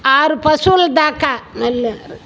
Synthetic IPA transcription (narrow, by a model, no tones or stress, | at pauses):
aːɾpɐsuld̪aːkːamɐlːɐɾ